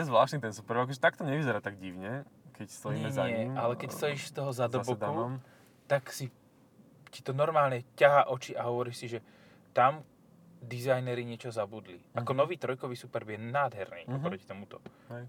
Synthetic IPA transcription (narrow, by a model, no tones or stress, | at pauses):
ɛzʋlaːʃt̪nit̪ɛnsupɛɾɔkʒɛt̪akt̪ɔɲɛʋizɛɾaːt̪aɡɟiʋɲɛkɛcst̪ɔjimɛɲzaɛalɛkɛcst̪ɔjiːʃst̪ɔɦɔzad̪ɔb̪bɔd̪u | t̪aksi | cit̪ɔnɔɾmaːlɲɛcaɦaːʔɔt͡ʃiʔaɦɔʋɔɾiːʃsiʒɛ | t̪am | d̪izajnɛɾiɲɪɛt͡ʃɔzabud̪lḭʔakɔnɔʋiːt̪ɾɔjkɔʋiːsupɛɾbjɛnaːd̪ɦɛɾnḭːpɾɔci̥t̪ɔmut̪ɔ | ɛ